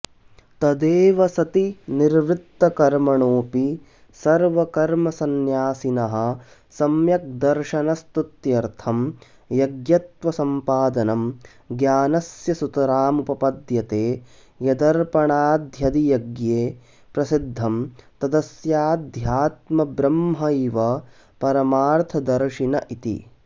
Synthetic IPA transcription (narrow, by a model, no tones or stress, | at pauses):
t̪ɐd̪eːʋɐsɐt̪iniɾʋɾit̪ːɐkɐɾmɐɳoːpi | sɐɾʋɐkɐɾmɐsɐnjaːsinɐɦɐ̆ | sɐmjɐk̚d̪ɐɾʃɐnɐst̪ut̪jɐɾt̪ʰɐm | jɐɡjɐt̪ʋɐsɐmpaːd̪ɐnɐm | ɡjaːnɐsjɐsut̪ɐɾaːmupɐpɐd̪jɐt̪eː | jɐd̪ɐɾpɐɳaːd̪ʱjɐd̪ijɐɡjeː | pɾɐsid̪ʱːɐmt̪ɐd̪ɐsjaːd̪ʱjaːt̪mɐbɾɐmɦɐiʋɐ | pɐɾɐmaːɾt̪ʰɐd̪ɐɾʂinɐʔit̪ḭ